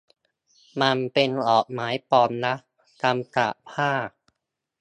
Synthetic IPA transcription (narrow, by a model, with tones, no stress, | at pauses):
ma˧npe˧nʔɔː˨˩k̚maː˩˦˥jpɔː˧mna˦˥ʔ | ka˧mka̰˨˩ʔpʰaː˥˩